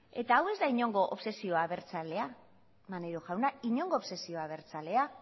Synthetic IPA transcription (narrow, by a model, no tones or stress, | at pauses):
e̞t̪aːwe̞zd̪aiɲo̞ŋɡo̞ʔopse̞sio̞aβe̞ɾt͡sale̞a | maneɾoʝawnaiɲo̞ŋɡoːβse̞sio̞aβ̞e̞ɾt͡sale̞a